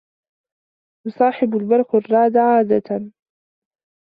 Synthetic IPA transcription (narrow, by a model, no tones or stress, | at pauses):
jʊsˤɑːħɪbalbɑɾˤxarˤːɑːd̪aʕaːd̪at̪an